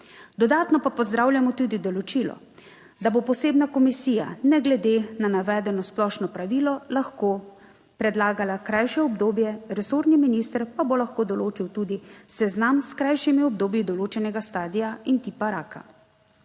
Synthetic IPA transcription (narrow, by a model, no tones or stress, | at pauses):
d̪ɔd̪aːt̪nɔpapɔzd̪ɾaːwljamɔt̪ud̪id̪ɔlɔt͡ʃiːlɔ̰ | d̪abopɔseːbnakɔmisiːja̰nɛɡlɛd̪enanaʋɛːd̪ɛnɔsplɔʃnɔpɾaʋiːlɔlaxkoː | pɾɛd̪laːɡalakɾajʃɛɔbd̪oːbjɛɾɛsoːɾniminiːst̪əɾpabolaxkoːd̪ɔloːt͡ʃiwt̪uːd̪isɛznamskɾajʃimiɔb̚d̪oːbjid̪ɔloːt͡ʃɛnɛɡast̪aːd̪ijaint̪ipaɾaːka̰